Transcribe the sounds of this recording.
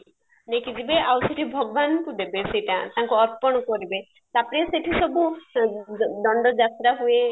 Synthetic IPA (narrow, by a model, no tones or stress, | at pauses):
nekid͡ʒibeawseʈʰibʱɔɡɔbanɔkud̪ebeseʈã̰t̪aɦŋkuɔɾpɔɽ̃ɔkɔɾibe | sapɽ̃eseʈʰisɔbu | d̪ɔɳɖɔd͡ʒat̪ɾaɦue